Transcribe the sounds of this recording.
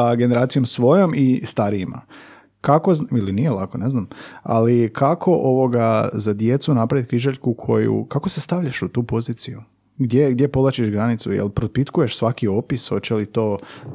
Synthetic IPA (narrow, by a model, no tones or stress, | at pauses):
aɡe̞ne̞ɾaːt̪sijo̞msʋo̞jo̞mʔist̪aɾiima̰ | kako̞zilinijelˠakone̞znama̰likʰakʰo̞ʔo̞ʋo̞ɡazad̪je̞t̪sunapɾaʋit̪̚kɾiʒaʎkukʰo̞jṵkako̞se̞st̪aʋʎaʃut̪uːpo̞ziːt̪siju | ɡd̪jeɡd̪je̞pod̪lˠat͡ɕiʃɡɾanit̪sṵjḛlpɾopit̪kuje̞ʃsʋakio̞pisho̞t͡ɕelit̪o̞ː